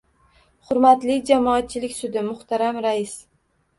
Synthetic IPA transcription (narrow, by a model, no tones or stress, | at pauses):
χʊɾmat̪lɪd͡ʒamɒːt̪̚t͡ʃʰɪlɪkʲsʊd̪ɪmʊht̪ʰaɾamɾaɪs